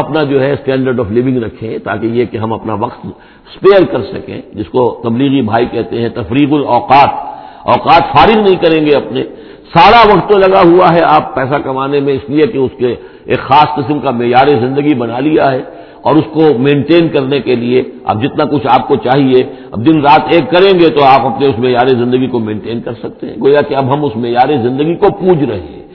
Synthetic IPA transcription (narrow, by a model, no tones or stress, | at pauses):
ɐpnad͡ʒoːɦɛsʈɛ̃ːɳɖəɾɖɔːflɪʋɪ̃ŋɡɾɐkʰːẽt̪a̰ːkejekeɦɐ̃mɐpnaʋɐqt̪ | speːəɾkɐɾsɐkḛ̃ːd͡ʒɪskot̪ɐbliːɣibʱaːikɛɦt̪eɦɛ̃t̪ɐfɾiːqʊlɔːqaːt̪ | ɔːqaːt̪faːɾɪɣnɐɦĩkɐɾẽːŋɡeɐpne | saːɾaʋɐqt̪ːolɐɡaɦuaɦɛaːpːɛːsakɐmaːnemẽɪsliekeʊske | eːkxaːsqɪsmkameːjaːɾezɪ̃nd̪əɡibɐnalijaɦɛ | ɔ̰ːɾʊskomẽːɳʈeːnkɐɾnekelieɐ̰b̚d͡ʒɪt̪nakʊt͡ʃʰaːp̚kot͡ʃaːɦie | ɐ̰b̚d̪ɪnɾaːt̪ʰeːkːɐɾẽːŋɡet̪oaːpɐpneʊsmeːjaːɾezɪ̃nd̪əɡikomẽːɳʈeːnkɐɾsɐk̚t̪eɦɛ̃ɡoːjakeɐbɦɐmʊsmeːjaːɾezɪ̃nd̪əɡikopuːd͡ʒʱɾɐɦḛ̃